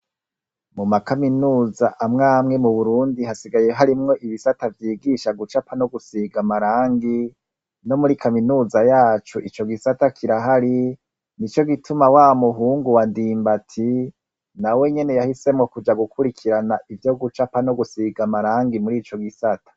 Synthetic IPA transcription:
mumakaminuːzaʔamŋaːmŋe̞muβuɾuːndihasiɡaje̞ɦaɾimŋo̞ʔiβisatavjiːɡiʃaɡut͡ʃapano̞ɡusiɡamaɾaːŋɡi | no̞muɾikaminuːzajaːt͡ʃuʔit͡ʃo̞ɡisatakʰiɾaɦaɾi | nit͡ʃo̞ɡitumawaːmuɦuːŋɡuwandiːmbatʰi | nawe̞ɲe̞ne̞jahise̞mŋo̞kud͡ʒaɡukuɾikʰiɾanaivjo̞ɡut͡ʃapano̞ɡusiɡamaɾaːŋɡimuɾiːt͡ʃo̞ɡisatḁ

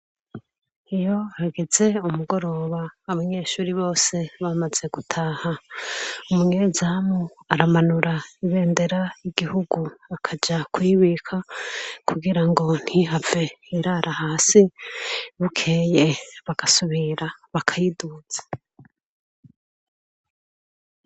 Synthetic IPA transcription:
ijo̞haɡe̞ze̞umuɡo̞ɾo̞ːβaːβaɲe̞ːʃuːɾiβo̞ːse̞βamaz̥e̞ɡutʰaːha | umuɲezamoaɾamanuɾaiβe̞ːnde̞ɾaiɡ̥ihuɡuakʰad͡ʒakwiβikʰakʰuɡiɾaŋɡo̞n̥hiɦave̞iɾaɾʔahaːsi | βukʰeːje̞βaɡ̥asuβiɾaβakʰajidut͡sḁ

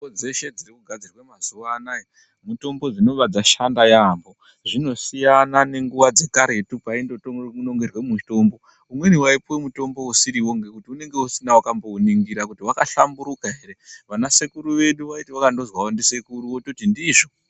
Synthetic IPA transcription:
od͡ze̞ʃe̞d͡zirikuɡʱad͡zirwemazuʋanae | muto̞mbo̞d͡zino̞ʋad͡zaʃandajambo̞ | ʐino̞sijanane̞ŋɡuʋad͡ze̞kaɾe̞tupaindotouno̞ŋɡerwe̞muto̞mbo̞ | umwe̞niwaipwemuto̞mbo̞usiɾiwoŋɡe̞kutiune̞ŋɡe̞usinawakambo̞uniŋɡiɾakutiwakaɬambuɾukaɦe̞ɾe̞ʋanase̞kuɾuʋe̞ɗuʋaitiwakando̞zwaondise̞kuɾuwototindiʐo̞

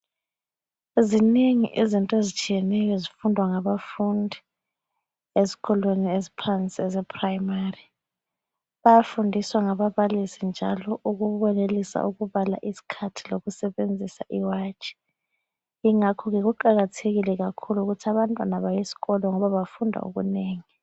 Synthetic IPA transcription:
eziniŋḭʔizintʼezit͡ʃʼʰijɛnɛjɔzifundʱwaŋaβafundʱi | ezi̥ɣɔlweniezipʰant͡sʼiɛzɛpʰrajmari | βajafundʱiswaŋaβaβalisind͡ʒʱa̰lɔʔuɣuβɔnelisa̰ʔuɣuβala̰ʔisi̥kʰatʰiloɣusɛβend͡zʱisa̰ʔiwaːt͡ʃʼi̥ | iŋakʰɔɣɛɣuǃaɣatʰeɣilɛɣakʰuluɣutʰaβantʼwanaβajisi̥ɣɔlɔŋɔβaβafundʱa̰ṵɣṵneːŋi

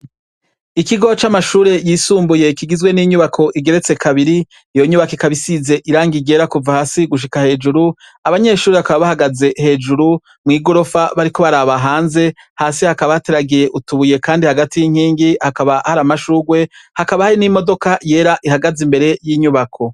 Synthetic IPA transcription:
ikiɡo̞t͡ʃamaʃuːɾe̞jiːsuːmbuje̞kiɡizɡwe̞niɲuβakʰo̞ʔiɡe̞ɾe̞t͡se̞kʰaβiɾiː | jo̞ɲuβakekaβisize̞ʔiɾaːŋɡiɡe̞ɾakuvahaːsiɡuʃ̬ikahe̞ːd͡ʒuɾu | aβaɲe̞ʃuːɾeβakaβaβahaɡaze̞he̞d͡ʒuɾu | mŋiːɡo̞ɾo̞faβaɾiko̞βaɾaβaɦaːnze̞ | haːsihakaβaate̞ɾaɡije̞ʔutuβuje̞kaːndihaɡatijiŋ̥hiːŋɡihakaβahaɾamaʃuːɡwe̞hakaβahaɾinimo̞do̞kaje̞ːɾaʔihaɡazimbe̞ɾe̞jiːɲuβakʰo̞

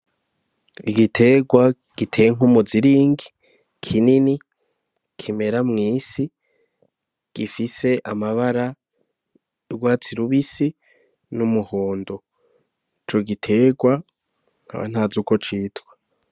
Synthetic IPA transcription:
iɡitʰe̞ɡwa | ɡ̥itʰejeŋ̥umuziɾiːŋɡi | kʰinini | kʰime̞ɾamŋiːsi | ɡ̥ifise̞ʔamaβaɾa | ɡwaːt͡siɾuβisi | numuhoːndo | it͡ʃo̞ɡitʰe̞ɡwa | ŋ̥ha̰βa̰n̥haːzuko̞t͡ʃiːtwe̥

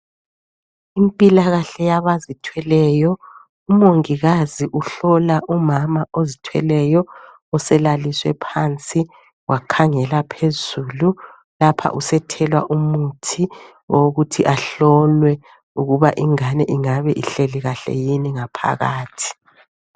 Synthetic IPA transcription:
impʼilaɣaɬɛjaβazitʰwɛlɛjɔ | umoŋiɣaziʔuɬɔlaʔumamaʔozitʰwɛ̰lɛjɔ | ɔsɛlaliswɛ̰pʰant͡sʼi | wʔakʰaŋɛlapʰezuːlu | lapʰa̰ʔusɛtʰɛlwa̰ʔumutʰi | ɔoɣutʰiʔaɬɔlwɛ | uɣuβaʔiŋanɛ̰ʔiŋaβɛʔiɬeliɣaɬɛ̰jiniŋapʰa̰ɣaːtʰi̥

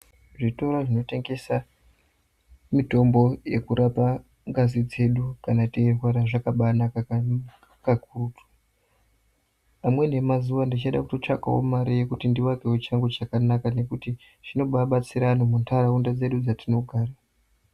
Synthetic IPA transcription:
ʐito̞ɾaʐino̞te̞ŋɡe̞sa | mito̞mbo̞je̞̰kuɾʔapa | ŋɡazid͡ze̞ɗukanaterwaɾaʐakaɓanaka | kakurutʰu̥ | amwe̞ne̞mazuwandit͡ʃaɗa̰kuto̞t͡ʂa̰ka̰wo̰maɾije̞kutindiwakewot͡ʃaŋɡet͡ʃakanakane̞kuti | ʐino̞ɓaɓat͡siɾanomuntʰaɾaundad͡ze̞ɗud͡zatino̞ɡʱaːra

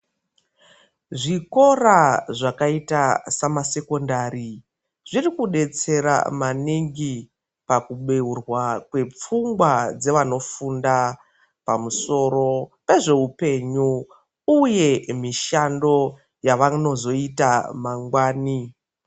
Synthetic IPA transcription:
ʐiko̞raʐakaitasamase̞ko̞ndaɾi | ʐirikuɗe̞t͡se̞ɾa̰maniŋɡi | pakuɓe̞urwakwe̞p͡fuŋɡwad͡ze̞ʋano̞funda | pamuso̞ɾo̞pe̞ʐe̞ɦupe̞ɲu | uje̞miʃando̞ | jaʋano̞zo̞itamaŋɡwaːni

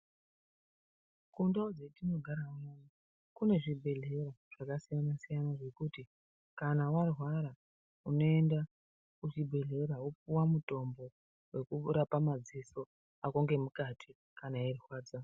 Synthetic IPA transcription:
kundaod͡zetino̞ɡʱaɾaoi | kune̞ʐibʱe̞ɮe̞raʐ̥akasijanasijanaʐe̞kuti | kanawarwaɾa | uno̞e̞nda | kuʐibʱe̞ɮe̞ɾawopuwamuto̞mbo̞ | we̞kuɾapamad͡ziso̞ | akoŋɡe̞mukatʰi | kanaerixwaːd͡za

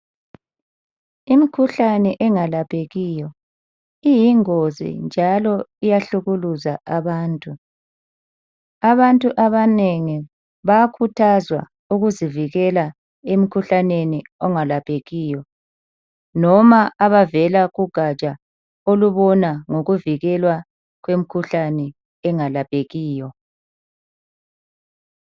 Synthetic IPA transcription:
imikʰuɬanɛʔɛŋalapʼʰeɣijɔ | ijiŋozḭnd͡ʒʱalɔijaɬuɣuluzaaβaːntʼu | aβantʼuʔaβaneŋi | βaakʰutʰazwa̰ | uɣuziviɣɛla | em̩kʰuɬaneniɔŋalapʼʰeɣiːjɔ | nɔmaaβavɛlaɣuɡ̥ʱat͡ʃʼa | oluβɔnaŋoɣuviɣɛlwa | ɣwem̩kʰuɬanɛ | ɛŋalapʼeɣiːjɔ

